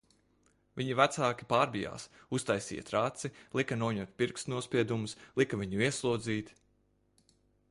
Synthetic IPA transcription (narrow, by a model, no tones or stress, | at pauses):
vʲiɲivæt̪saːkʲi̥paːɾbija̰ːs | ust̪ajsḭːjɐ̰t̪ɾat̪silˠikɐnuɔɲuɔt̪̚ʲpʲiɾkst̪nuɔspʲiɛd̪umuslˠikavʲiɲuiɛslˠuɔd̪ziːt̪